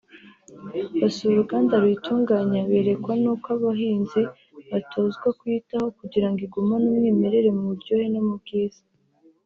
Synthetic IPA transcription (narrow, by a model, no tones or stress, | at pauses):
βasuɾuɡaːndaɾituːŋɡaɲaβeɾe̞kwanukaβaɦiːnzi | βatʰoːzɡwakwitaho̞kuɟiɾaŋɡiɡumanumŋiːme̞ɾe̞ɾe̞muβuɾɟo̞ːhenamub̚ɡiːz̥a